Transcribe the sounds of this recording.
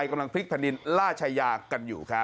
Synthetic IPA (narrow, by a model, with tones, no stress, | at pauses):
jka˧mla˧ŋpʰli˦˥k̚pʰɛː˧˨ndi˧nɾaː˥˩t͡ɕʰaː˧jaː˧ka˧njṵː˨˩kʰɾa˦˥